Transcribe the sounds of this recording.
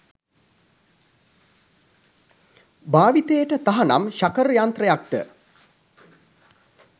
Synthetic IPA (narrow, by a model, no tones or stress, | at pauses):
baːʋit̪ejəʈət̪aɦana̰mʃakəɾjaːnt̪rəjak̚ʈə̰